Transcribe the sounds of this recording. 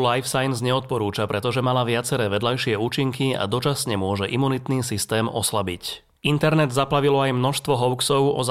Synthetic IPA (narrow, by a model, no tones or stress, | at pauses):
lajfsajnzɲɛɔt̪̚pɔɾuːt͡ʃapɾɛt̪ɔʒɛmalaʋɪat͡sɛɾɛːʋɛd̪lajʃɪɛuːt͡ʃiŋkia̰d̪ɔt͡ʃasɲɛmʊɔʒɛʔimunit̪niːsist̪ɛːmɔ̰slabic | int̪ɛɾnɛd̪zaplaʋilɔajmnɔʃst̪ʋɔɦɔʊksɔʊɔ̰z